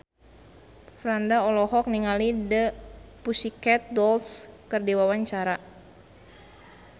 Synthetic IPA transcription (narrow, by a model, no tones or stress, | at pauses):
fɾandaɔlɔɦɔk̚niŋalidəpusikɛt̪̚dɔlskɨrdiwawaɲt͡ʃaɾa